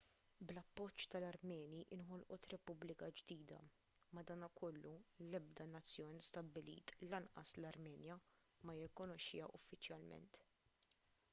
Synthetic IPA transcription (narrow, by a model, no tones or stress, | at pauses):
blɐpːɔt͡ʃːt̪ɐlɐɾmɛːnjiʔɪnɦɔlʔɔt̪ɾɛpʊblɪkɐd͡ʒd̪iːd̪ɐ̰ | mɐd̪ɐːnɐkʰɔlːulɛb̚d̪ɐnɐt͡sːjɔːnist̪ɐbːɪlḭːt̪lɐnʔɐ̰slɐɾmɛːnjɐ | mɐjɪkːʊnɔʃːɪ̰jɐʔʊfːɪt͡ʃjɐlmɛ̰nt̪